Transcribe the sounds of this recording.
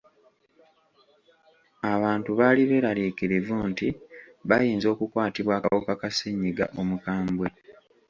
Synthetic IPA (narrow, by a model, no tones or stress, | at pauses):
aβaːntuβaːliβe̞ːɾaliːkiɾivunti | βajiːnzo̞ːkukwaːtiβwaːkawokakasiɲːiɡa̰ʔo̞mukaːmbwe̞